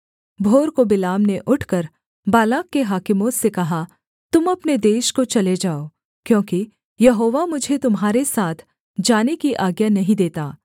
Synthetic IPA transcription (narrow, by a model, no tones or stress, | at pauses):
bʱoːɾkobɪlaːmneʔʊʈʰkɐɾ | baːlaːkːeɦaːkɪmõsekɐɦa | t̪ʊmɐpned̪eːʃkot͡ʃɐled͡ʒaːoː | kjõːki | jɐɦoːʋamʊd͡ʒʱet̪ʊmɦaːɾesaːt̪ʰ | d͡ʒaːnekiʔaːɡjanɐɦĩd̪eːt̪aː